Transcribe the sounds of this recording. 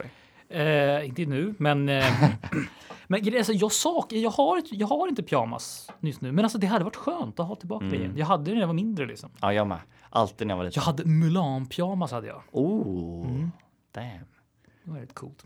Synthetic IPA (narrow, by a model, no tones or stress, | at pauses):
ɛɪnt̪ənʉ̟ːmɛn | mɛnɡɾɛjasɔjɑːsɑːkjɑːɡhaɾɪjɑːɡhaɾɪnt̪əpʰjɑːma̰snʏsnʉ̟ːmɛnals̬ɔd̪ɛɦad̪ːəvaʈːɧøːnt̪ɔɦɑːt̪ʰɪlbɑːkaɾɛ̰jɛ̰njɑːɡɦad̪ːəjvaɾmɪnd̪ɾəlɪ̰ksɔmajɑːmɛ̰ | ʔa̰lt̪iːd̪nja̰va̰jɑːɡhad̪ːəmʉlɑːnpʰjɑːmashad̪ːəjɑ̰ːuː | d̪̥ɛm | ɛvɛːɾɪt̪kʰṵːlt̪